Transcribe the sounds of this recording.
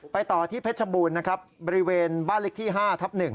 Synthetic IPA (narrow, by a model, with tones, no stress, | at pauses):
pa˧jt̪ɔː˨˩t̪ʰiː˥˩pʰe˦˥t̪̚t͡ɕʰa˧buː˧nːa˦˥kʰɾa˦˥p̚bɔː˧ɾi˦˥weː˧nbaː˥˩nle˦˥k̚t̪ʰiː˥˩ɦaː˥˩t̪ʰa˦˥p̚nɯ˨˩ŋ